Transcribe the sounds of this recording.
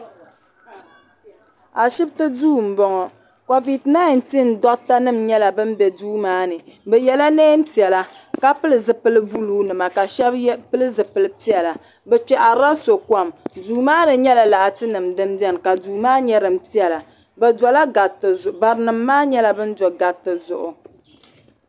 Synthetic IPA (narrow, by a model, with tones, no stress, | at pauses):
a˨ʃi˦btɨ˦duː˦m̩˨bɔ˨ŋɔ˨ | ko˨vi˨tna˦ɪ˨n˨ti˦n̩˨˦dɔ˦ʔta˦nɨ˦mɲɛ˦la˨bɨ˦m˦bɛ˨duː˦maː˦nɨ˨bɛ˨jɛ˨la˦neː˦m̩˦pi˨ɛ˨la˨ka˦pɨ˦lɨ˨zɨ˨pɨ˦lɨ˦bu˦luː˦nɨ˨ma˨ka˨ʃɛ˦bpɨ˦lɨ˦zɨ˨pɨ˨lɨ˨pi˦ɛ˨la˨ | bɛ˨t͡ʃɛ˨ʔa˨ɾa˦so˨ka˦˨mduː˦maː˦nɨ˨ɲɛ˦la˨la˨ʔa˨tɨ˦nɨ˨mdɨ˦m˦bjɛ˦n˨ka˨duː˨maː˦ɲɛ˦ɾɨ˨m̩˦pi˦ɛ˨la˨ | bɛ˨dɔ˨la˦ɡa˨tɨ˨zʊ˨ʔba˨ɾɨ˨˦nɨ˨mːaː˦ɲɛ˦la˦bɨ˦n̩˦dɔ˨ɡa˨tːɨ˨zʊ̰˨ʔʊ̰˨